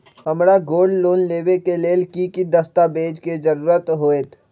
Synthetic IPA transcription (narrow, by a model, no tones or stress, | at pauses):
ɦɐmɾaɡoːɖloːnleːbekeleːlkikid̪ɐst̪abeːd͡ʒked͡ʒəɾuːɾət̪ɦoːeːt̪ʰ